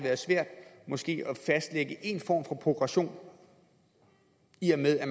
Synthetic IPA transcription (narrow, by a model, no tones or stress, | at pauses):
ʋæːɐð̩ˠsʋæɐ̰d̥mɒ̽sɡ̥e̝̰ːɒfæsd̥leɡ̥əʔe̝nfɒ̰ːmfɒ̽pʰʁo̝ɡ̥ʁɑɕo̝̰ːn | iæɐmeðˠæɐ